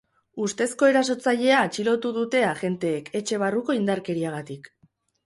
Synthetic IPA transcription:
ust̪e̞sko̞e̞ɾas̬o̞t͡saʎe̞aːt͡ʃilo̞t̪uðut̪e̞aʝe̞nt̪e̞ːke̞t͡ʃe̞β̞aruko̞ind̪aɾke̞ɾiaɣ̞at̪ik

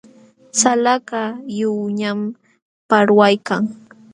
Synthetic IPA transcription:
salaɢajʊwɲam | paɾwajkaŋ

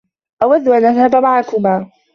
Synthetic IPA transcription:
ʔawad̪ːʊʔanʔaðhabmaʕakʊmaː

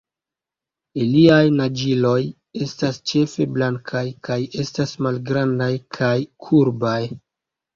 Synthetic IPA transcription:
iliajnad͡ʒilo̞j | e̞stast͡ʃe̞fe̞blaŋkʰajkaje̞stasmalɡɾandajkʰajkʰuɾbaj

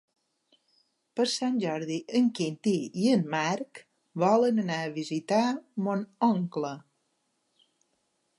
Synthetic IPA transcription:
pəɾsanʲʒɔɾðiʔəŋkint̪iiənmaɾk | βɔlənənaəβizit̪amonɔŋklə

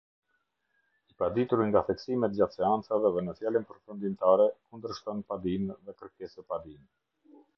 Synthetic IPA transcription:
ipad̪it̪uɾiŋɡaθɛksimɛt̪̚d͡ʑat̪sɛant͡savɛðɛnəθjalinpəɾfund̪imt̪aɾɛkund̪əɾʃt̪ɔnpad̪inðɛkəɾkɛsəpad̪in

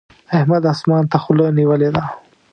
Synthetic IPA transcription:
ahmad̪asmɑːnt̪axʊloniwəled̪a

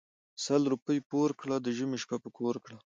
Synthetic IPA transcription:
salɾupəjpoɾkɽad̪əʒəmeʃpapəkʰoɾkɽa

